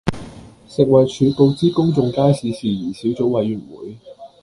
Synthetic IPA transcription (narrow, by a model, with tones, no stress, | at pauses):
sɪ˨k̚wɐ˨˩jt͡ʃʰyː˨˧po˧wt͡siː˥kʊ˥ŋt͡sʊ˨˧ŋkaː˥jsiː˨˧siː˨˩jiː˨˩siː˨˥wt͡so˨˥wwɐ˨˧jɥy˨˩nwṵː˨˥j